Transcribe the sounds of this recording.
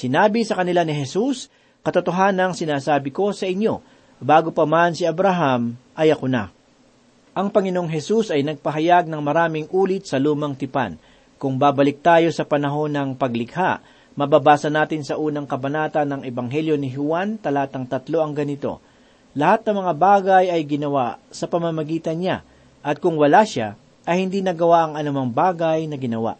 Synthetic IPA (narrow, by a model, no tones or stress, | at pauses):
sɪnaːbisɐkɐnɪlanɪɦɛsus | kɐt̪ot̪o̞ɦaːnɐŋsɪnaːsaːbɪko̞sɐʔɪɲjo̞̰ | baːɡopɐmansiɐbɾaɦamʔɐjɐkona̰ | ʔɐŋpɐŋɪnooŋɦɛsusɐjnɐɡ̚pɐɦɐjaɡ̚nɐŋmɐɾaːmɪŋʔuːlɪt̪̚sɐluːmɐŋt̪ɪpa̰n | kʊŋbaːbɐlɪk̚t̪aːjo̞sɐpɐnɐɦo̞nɐŋpɐɡlɪɡhaʔ | mɐbabaːsɐnaːt̪ɪnsɐʔuːnɐŋkɐbɐnaːt̪ɐnːɐŋɛbɐŋɦɛljo̞nɪɦʊwant̪ɐlɐaat̪ɐŋt̪ɐt̪lo̞ʔɐŋɡɐnɪt̪o̞̰ | lɐhat̪̚nɐmɐŋabaːɡɐjɐjɡɪnɐwaʔsɐpɐmɐmɐɡiːt̪ɐnɲa̰ | ʔɐt̪̚kʊŋwɐlaʃa | ʔɐjhɪnd̪iːnɐɡɐwaʔɐŋɐnʊmɐŋbaːɡɐjnɐɡɪnɐwa̰ʔ